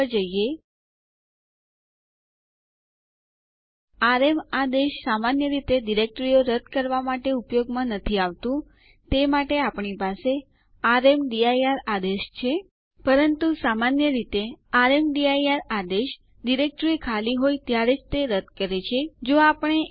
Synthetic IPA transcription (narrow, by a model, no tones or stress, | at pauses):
d͡ʒəjje | aɾemad̪eʃsamanjəɾit̪eɖiɾek̚ʈɾioɾəd̪ʱkəɾʋamaʈeupjoɡmãnət̪ʰiaʋt̪ũ | t̪emaʈeapɳipase | aɾemɖiajaɾad̪eʃt͡ʃʰe | pəɾənt̪usamanjəɾit̪eaɾemɖiajaɾad̪eʃ | ɖiɾek̚ʈɾikʰaliɦojt̪jaɾed͡ʒt̪eɾəd̪kəɾet͡ʃʰed͡ʒoapəɳ̃e